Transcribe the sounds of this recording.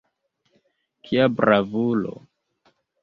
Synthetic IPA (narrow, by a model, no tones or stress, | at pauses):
kʰiabɾavulo̰